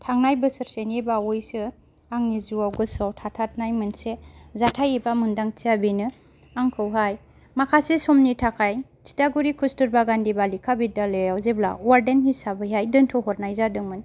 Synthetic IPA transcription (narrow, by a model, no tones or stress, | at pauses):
tʰaŋnajbɯsɯɾsenibaɔjsɯ | aŋnizuawɡɯsɔwtʰatʰat̚najmɯnsezatʰajebamɯndaŋtʰiabinɯ | aŋkʰɯwɦaj | makʰasesɔmnitʰakʰajtʰi̥taɡuɾikʰustɯɾbaɡandibalikʰabidalejawzebla̰waɾdenɦisabɯjɦajdɯntʰɔɦɔɾnajzadɯŋmɯn